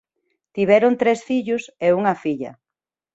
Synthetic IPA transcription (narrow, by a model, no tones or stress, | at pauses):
t̪iβɛɾʊnt̪ɾesfiʎʊseuŋɐfiʎɐ̰